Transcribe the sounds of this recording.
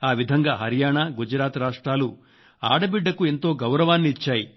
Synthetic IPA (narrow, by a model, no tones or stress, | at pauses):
aːʋid̪ʱɐŋɡaːɦɐɾijaːɳaːɡud͡ʒɐɾaːt̪ɾaːʂʈɾaːlu | aːɽɐbiɖːɐkue̞nt̪o̞ːɡɐwɾɐʋaːnːiːt͡ʃːaːji